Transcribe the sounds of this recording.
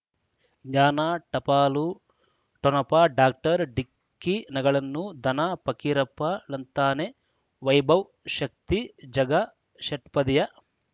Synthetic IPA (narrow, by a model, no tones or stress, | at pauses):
ɡɲaːnaʈɐpaːlu | ʈonɐpɐɖaːk̚ʈɐɾɖikːinɐɡɐɭɐnːud̪ʱɐnɐpɐkiɾɐpːɐlɐnt̪aːne | ʋɐjbʱɐw | ʃɐk̚t̪id͡ʒɐɡɐ | ʃɐʈ̚pɐd̪ijɐ